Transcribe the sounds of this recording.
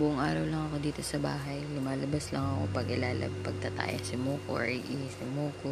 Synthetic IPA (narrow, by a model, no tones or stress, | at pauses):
bʊʔʊŋʔa̰ːɾɐwlɐŋɐko̞d̪iːt̪o̞sɐba̰ːɦɐjlʊmaːlɐbaslɐŋɐko̞̰pɐɡɪlaːlɐ̰pɐɡ̚t̪ɐt̪a̰ːjɐ̰ŋsɪmoːko̰ʔɪʔiːhsɪmoːko